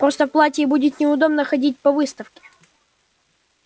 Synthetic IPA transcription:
pɾost̪əfplˠatʲɪːbudʲɪt̪nʲɪʊd̪o̞bnəxɐdʲit̚ʲpɐvɨst̪əfkʲɪ̥

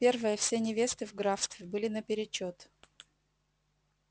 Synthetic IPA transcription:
pʲe̞rvəjəfsʲenʲɪvʲe̞st̪ɨvɡɾafst̪vʲɪbɨlʲɪnəpʲɪɾʲɪt͡ɕːot̪

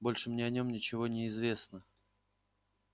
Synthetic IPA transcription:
bo̞lʲʂɨmnʲeɐnʲo̞mnʲɪt͡ɕɪvo̞nʲɪɪzvʲe̞snə

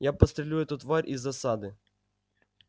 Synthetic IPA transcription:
japɐst̪ɾʲelʲujɛt̪ʊt̪ʋaɾʲʔizːɐsad̪ɨ

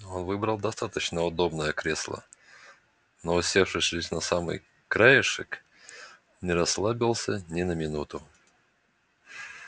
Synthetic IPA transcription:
o̞nvɨbɾəlˠd̪ɐst̪at̪ət͡ɕnəʊd̪o̞bnəjəkɾʲeslˠə̰ | noʊsʲefʂɨsʲʐɨsʲnɐsamɨ̰j | kɾajɪʂɨk | nʲɪɾɐslˠabʲɪlˠsʲənʲɪnəmʲɪnut̪ʊ

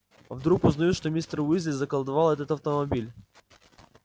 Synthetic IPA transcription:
vd̪ɾukʊznɐjut̪ʂt̪omʲist̪rʊizʲlʲɪzəkəlˠd̪avalˠɛt̪ət̪ɐft̪əmɐbʲilʲ

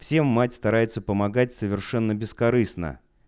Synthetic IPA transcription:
fsʲe̞mːatʲst̪ɐɾajɪt̪səpəmɐɡatʲsəvʲɪrʂɛnːəbʲɪskɐɾɨsnə̰

